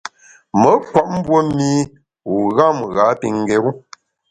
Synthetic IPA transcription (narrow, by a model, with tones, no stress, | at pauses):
mə˨˦kwa˦˨ʔ̚m̩˦bwo˦mi˦ | u˨ɣa˦˨mɣa˨˦pi˨ŋ˨ɡɛ˨ɣu˦